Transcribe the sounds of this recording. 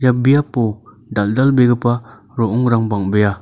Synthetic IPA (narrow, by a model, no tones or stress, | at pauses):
jabijapo | daldalbeɡəpa | ɾɔʔɔŋɾaŋbaŋbeja